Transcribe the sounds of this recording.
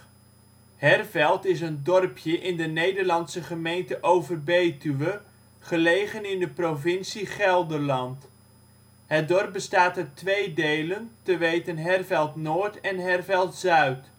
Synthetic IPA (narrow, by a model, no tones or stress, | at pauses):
ɦɛrvɛlˠtɪsəndɔrpjəʔɪndənejdəɹlɑnsəχəmejntəʔowvərbejtyʋə | χəlejχənɪndəprovɪnsiχɛlˠdəɹlɑnt | ɦət̚dɔɹp̚b̚bəstaːtətʋejdejləntəʋejtənɦɛrvɛlˠtnoːɹtɛnɦɛrvɛlˠtzœɥt